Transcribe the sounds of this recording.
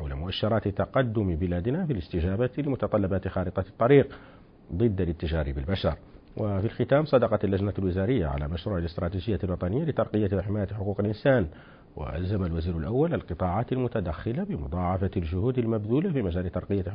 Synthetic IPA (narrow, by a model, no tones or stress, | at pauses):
ħawlamʊʔaʃːɑɾˤɑːt̪t̪ɑqɑd̪ːʊmbɪlæːd̪nafilɪst̪ɪʒæːbalɪmʊt̪ɑt̪ˤɑlːɑbat̪xɑːlət̪ˤɑt̪ˤːɑɾiːq | d̪ˤɨd̪ːalɪt̪ːɪʒɑɾibɪlbaʃɑɾˤ | wʔafilxɪt̪æːmsˤɑd̪ɑqɑt̪lːæʒnalwɪzaɾəjːa̰ʕa̰la̰maʃɾuːʕɪlɪst̪ɾˤɑːt̪iʒəjːalwɑt̪ˤɑnəjːalɪt̪ɑɾˤqəjːaħɪmæːjat̪ħʊquːqəlʔɪnsæːn | wa̰ʔæ̰lzamalwaziːɾʊlʔawːalalqɨt̪ˤɑʕaːt̪almʊt̪ad̪æxːɪlabɪmʊ̰d̪ˤɑʕɑfalʒʊhuːd̪almæbd̪uːlafimæʒæːlɪt̪ɑɾˤqəjːa